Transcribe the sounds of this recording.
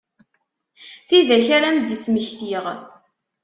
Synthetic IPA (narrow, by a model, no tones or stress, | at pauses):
θiðæçaɾamd̪ːəsməçθiʁ